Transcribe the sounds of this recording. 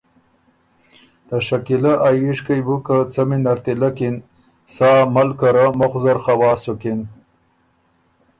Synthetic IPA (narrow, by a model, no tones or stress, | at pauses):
d̪aʃakilaʔajiʂkajbukat͡saminaɾt̪ilakin | sɑːmalkaɾamoxzaɾxawɑːsukin